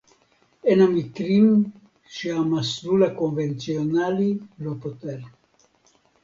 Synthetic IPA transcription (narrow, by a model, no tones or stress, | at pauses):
enamikɾim | ʃiamasɾulakonvent͡sionalilopot̪eɾ